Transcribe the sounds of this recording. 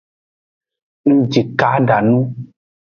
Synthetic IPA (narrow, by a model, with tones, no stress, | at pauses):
ŋ̩̃˦d͡ʒi˨ka˨˦ɖa˨nũ˦